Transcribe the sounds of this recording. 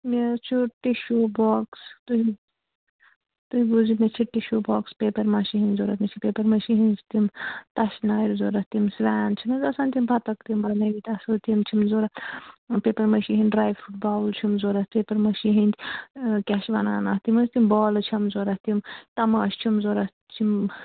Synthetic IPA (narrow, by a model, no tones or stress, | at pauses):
mʲet͡ʃʰuʈːiʃoːboːkst̪uɦi | t̪uɦiɡuzimet͡ʃʰiʈːiʃoːboːkspeːpɐɾmɐʃiɦinʲzoːɾɐt̪mit͡ʃʰipeːpɐɾmɐʃiɦinʲst̪imt̪ɐʃnaːiɾzoːɾɐt̪imsʋaːnt͡ʃʰimɐzɐsaːnʲt̪impʰɐt̪ɐkt̪imbɐnɐʋit̪ɐsɨt̪imt͡ʃʰimzoːɾɐpeːpɐɾmɐʃiɦinʲɖɾaːjʋfʰuʈ̚baːlt͡ʃʰimzoːɾɐt̪eːpɐɾmɐʃiɦinʲd͡ʒʲkʲaʃʋɐnaːnaːht̪imɐst̪imbɔːlt͡ʃʰɐmzoːɾɐht̪imt̪ɐmaʃt͡ʃʰimzoːɾɐh | t͡ʃʰim